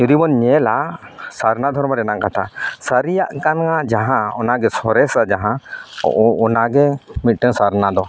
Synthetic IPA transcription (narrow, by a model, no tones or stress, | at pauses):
jud̪ibɔnɲɛlasaɾnad̪ʱɔɾmaɾɛnaŋkat̪ʰasəɾijaʔkanad͡ʒaɦãɔnaɡɛsɔɾɛsad͡ʒaɦã | ɔnaɡɛmit̪̚ʈɛŋsaɾnad̪ɔ